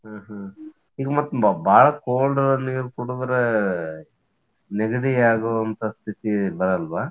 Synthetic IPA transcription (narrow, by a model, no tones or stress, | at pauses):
ɦaːɦɐ | iːɡɐmɐt̪ːubaːɭɐkoːlɖɐɾɐniːɾukuɽudɾɐ | neɡɐɽiaːɡoɐnt̪ɐst̪ʰit̪ibɐɾɐlʋaː